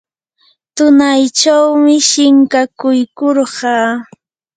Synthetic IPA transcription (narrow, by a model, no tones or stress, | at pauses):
t̪ʊnajt͡ʃawmɪʃɪŋkakʊjkoɾɢɑː